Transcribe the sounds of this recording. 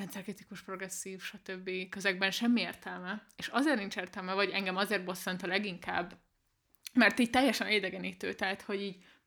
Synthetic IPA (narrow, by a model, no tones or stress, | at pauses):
ɛnt̪sɛrkrit̪ikuʃpro̞ɡɾɛsːiːfʃɒt̪øbːikøzɛɡ̚bɛnʃɛmːieːrt̪ɛlmɛeːʃɒzeːrnint͡ʃeːrt̪ɛlmɛvɒɟɛŋɡɛmɒzeːrt̪̚bo̞sɛnt̪ɒlɛɡiŋka̰ːbː | mɛrt̪iːɟ̚t̪ɛjːɛʃɛneːd̪ɛɡɛniːt̪ø̰ːt̪ɛɦat̪ho̞ɟiːɟ